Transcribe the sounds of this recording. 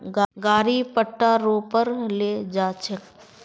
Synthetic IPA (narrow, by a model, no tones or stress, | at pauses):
ɡaɡaːɾipəʈːaɾoːpəɾleːd͡ʒaːt͡ʃʰek